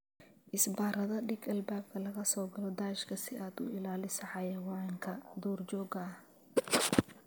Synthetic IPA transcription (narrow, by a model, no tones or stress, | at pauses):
ʔɪsbaːrɐðɐɖɪɡɐlbaːb̚kʰɐlɐɣɐsɔːɡɐlɔd̪aːɪʃkʰɐsɪʔaːd̪ʊ̰ʔɪlaːlɪsɐʕɑjɛwɑʕɪŋkʰɐd̪ɔːrd͡ʒɔːɡɐːh